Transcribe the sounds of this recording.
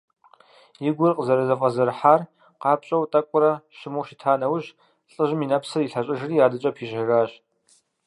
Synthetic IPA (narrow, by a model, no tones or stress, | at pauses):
jɪɡʷʊrqʼəzɐɾɐzɐfʼɐzɐrħaːr | qɑːpɕʼɐwtʼɐkʷʼʊɾɐʃɪmuwʃitʰaːnɐwʑ | ɬʼəʑɪminɐpsɐiɬɐɕʼɐʒɪriːjaːdɨt͡ʃʼɐpʰiːʒɐɣaːɕ